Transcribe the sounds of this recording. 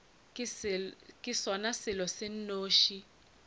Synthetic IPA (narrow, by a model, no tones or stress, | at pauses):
kʼɪsɔnasɪlɔsɪn̩noːʃi